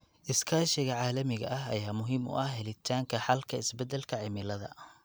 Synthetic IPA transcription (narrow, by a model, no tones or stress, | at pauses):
ʔɪskʰaːʃɪɣɐʕaːlɐmɪɣɐ̰ʔɐɦɐ̰jaːmʊɦiːmʊ̰ʔɐhɦɛlɪt̪ʰaːŋkʰɐħɑlkʰɐɪsbɛd̪ɛlkʰɐʕɪmɪlɐðɐ̰